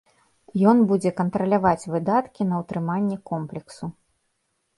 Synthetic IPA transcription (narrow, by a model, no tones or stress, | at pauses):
jɔnbud͡zʲɛkɐnt̪ɾɐlʲavat͡sʲvɨd̪at̪kʲinɐwt̪ɾɨmanʲːɛkɔmplʲɛksu